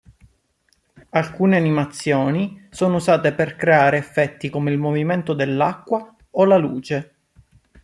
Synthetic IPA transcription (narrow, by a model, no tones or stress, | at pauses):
alkuːneanimat̪sːjoːnisoːnouzaːt̪eperkɾeaːɾeːfːɛt̪ːikomeilmoviment̪od̪elːakːwa | olaluːt͡ʃe